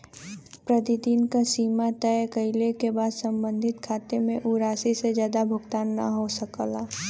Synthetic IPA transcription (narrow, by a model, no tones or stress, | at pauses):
pɾət̪id̪iːnkasiːmat̪əjkəɪlekebaːd̪sə̃mbə̃nd̪ʱɪt̪kʰaːt̪emẽʔuɾaːsised͡ʒjaːd̪abʱʊɡt̪aːnːɐ̰ɦosəklaː